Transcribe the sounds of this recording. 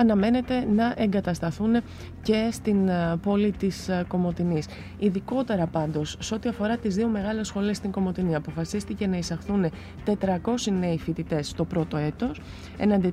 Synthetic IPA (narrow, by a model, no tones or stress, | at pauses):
ɐnɐme̞ne̞t̪e̞nɐʔe̞ŋɡɐt̪ɐst̪ɐθune̞ | ce̞st̪inpo̞lit̪isko̞mo̞t̪inis | iðiko̞t̪e̞ɾɐpɐnd̪o̞sːeo̞t̪iɐfo̞ɾɐt̪izðio̞meɣɐle̞sxo̞liest̪iŋɡo̞mo̞t̪iniɐpo̞fɐsist̪ice̞nɐisɐxθune̞ | t̪e̞t̪ɾɐko̞sine̞ifit̪it̪e̞sːt̪o̞pɾo̞t̪o̞e̞t̪o̞s | e̞nɐnd̪i